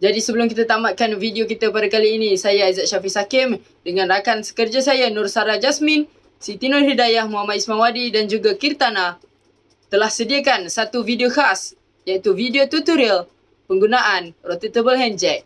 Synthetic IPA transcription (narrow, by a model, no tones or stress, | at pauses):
d͡ʒadisəbəlʊmkit̪at̪amaʔ̪̚kanvidiokit̪apadakaliːnisajaazaʔ̚ʃafisakɪm | dəŋãnakansə̥kərd͡ʒasajanʊrsaɾad͡ʒasmɪ̃n | sit̪inʊrɦədajahmuamat̪ismãŋwadidand͡ʒuɡakirt̪ana | t̪əlahsədiakansat̪uvideokas | jait̪uvidiot̪ut̪uɾial | pəŋɡunaʔanrot̪it̪əbəlɦɛnd͡ʒɛk̚